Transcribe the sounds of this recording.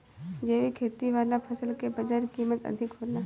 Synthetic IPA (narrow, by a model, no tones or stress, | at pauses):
d͡ʒeːʋikʰeːt̪iʋaːlapʰɐsəlkebɐd͡ʒəɾkiːmət̪ɐ̰d̪ʱɪkɦoːlaː